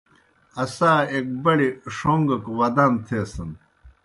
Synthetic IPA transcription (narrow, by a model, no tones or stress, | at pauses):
ɐsaːeːk̚bɐɽiʂoːŋɡɐkwɐd̪aːnt̪ʰeːsɐn